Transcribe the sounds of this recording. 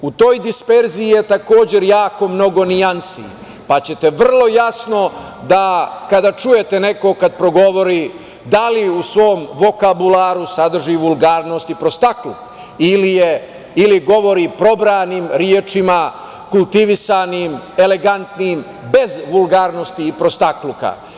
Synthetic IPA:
ut̪o̞ːjd̪ispe̞ɾziije̞t̪ako̞ːd͡ʑe̞ɾjaːko̞mno̞ɡo̞niansḭ | pat͡ɕe̞t̪eʋr̩lˠo̞jasno̞ | d̪akad̪at͡ʃuje̞t̪e̞ne̞ko̞kad̪̚pɾo̞ɡo̞ʋo̞ɾi | d̪aliusʋo̞ːmʋo̞kabulaɾusad̪r̩ʒiʋulˠɡaːɾno̞ːst̪ipɾost̪akluk | ilijeː | liɡo̞ʋo̞ɾipɾo̞bɾaːniːmɾjeːt͡ʂima | kulˠt̪iʋisaniːmele̞ɡant̪niːm | be̞zʋulɡaːɾno̞st̪iːpɾost̪akluka̰

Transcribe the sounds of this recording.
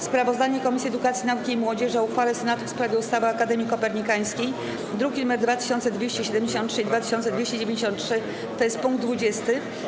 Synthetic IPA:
spɾavɔzd̪aɲɛkɔmʲisʲjiɛd̪ukat̪sʲjinaukʲiːmwɔd͡ʑɛʐauxfalɛsɛnat̪ufspɾavʲjɛust̪avɘakad̪ɛmʲikɔpɛɾɲikaj̃skʲej | d̪ɾuɡʲinumɛɾd̪vat̪ɘ̥ɕɔnt̪sɛd̪vʲjeɕt͡ɕɛɕɛd̪ɛmʲd͡ʑeɕ̬ɔntʂɘid̪vat̪ɘ̥ɕɔnt̪sɛd̪vʲeɕt͡ɕed͡ʑevʲẽɲd͡ʑeɕɔ̃nt̪tʂɘ | t̪ɔjɛst̪̚puŋɡ̚d̪d̪vud͡ʑɛst̪ɘ

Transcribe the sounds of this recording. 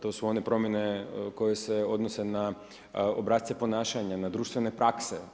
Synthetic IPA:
t̪o̞ːsuo̞nepɾo̞mjeneko̞jeseo̞d̪nose̞na | obɾaːt̪t̪epo̞naːʃaɲanad̪ɾuːʃt̪ʋenepɾakse

